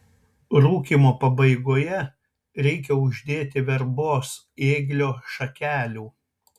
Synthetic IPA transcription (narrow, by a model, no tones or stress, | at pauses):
ɾuːkʲimoːpɐbɐɪɡoːjɛ | ɾʲɛɪk̬ʲɛʊʒʲd̪ʲeːt̪ʲɪʋʲɛɾboːs | eːɡlʲoːʃɐkʲæːlʲuː